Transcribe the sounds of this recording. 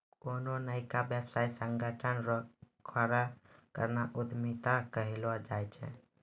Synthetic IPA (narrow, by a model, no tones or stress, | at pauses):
kononəjkabjebsaisəŋɡəʈʰənɾɔkʰəɾakə̰ɾnaʔud̪mit̪akəɦelɔd͡ʒajt͡ʃʰɛ̰̃